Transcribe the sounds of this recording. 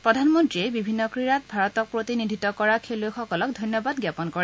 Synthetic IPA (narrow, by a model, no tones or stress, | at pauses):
pɹɔdʱanmɔntɹiebibʱinːɔkɹiɹat̚bʱaɹɔtɔk̚pɹotinidʱitɔkɔɹakʰelojxɔkɔlɔk̚dʱɔjnjɔbadɡjapɔnkɔɹɛ